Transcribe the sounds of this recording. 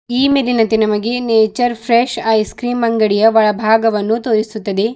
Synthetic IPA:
iːmilinɐnt̪enɐmɐɡe̞neːt͡ʃɐɾpʰɾeːʃɐjskɾiːmbɐŋɡɐɽijɐʋɐɭɐbʱaːɡɐʋɐnːut̪oːɾisut̪ːɐd̪e̞

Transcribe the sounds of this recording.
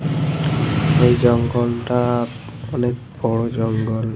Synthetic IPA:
ejzɔŋɡɔlta | ɔnek̚ | bɔɹɔd͡ʒɔŋɡɔl

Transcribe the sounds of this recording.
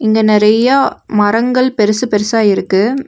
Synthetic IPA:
ɪŋɡɐnɪɾɐjɐmɐɾɐŋɡɐɭpɛɾɯsɯpɛɾɯsaːɪɾɯkːɯ

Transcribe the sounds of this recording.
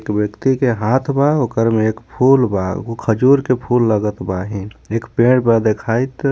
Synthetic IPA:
ekbjəkt̪ikeɦat̪ʰbaokəɾmeːkpʰulba̰kʰəd͡ʒuɾkepʰulːəɡət̪baɦĩekpẽɖpəd̪ekʰajt̪

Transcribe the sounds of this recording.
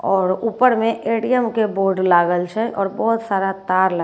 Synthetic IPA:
ɔːɾuːpəɾmẽʔeːʈijəmkeboːɾɖlaːɡəlt͡ʃʰɛʔɔːɾbɔːt̪saːɾat̪aːɾlə

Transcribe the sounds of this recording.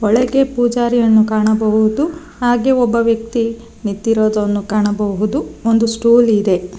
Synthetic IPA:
ɔɭɛɡe̞puːd͡ʒaːɾijɐnːukaːɳɐbɐɦud̪u | haːɡe̞ɔbːɐʋjɐk̚t̪i | nit̪ːiɾoːd̪ɐnːukaːɳɐbɐɦud̪uond̪usʈuːlid̪e̞

